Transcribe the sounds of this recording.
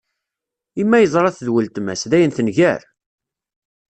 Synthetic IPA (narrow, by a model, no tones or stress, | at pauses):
imːæjəzˤɾˤɑθəðwəlt̪mæ̰sðæjənθənʝæɾ